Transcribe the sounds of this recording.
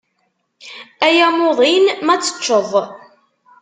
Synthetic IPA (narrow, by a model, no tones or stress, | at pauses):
æjæmoðˤinmæt͡sːə̥t͡ʃːəðˤ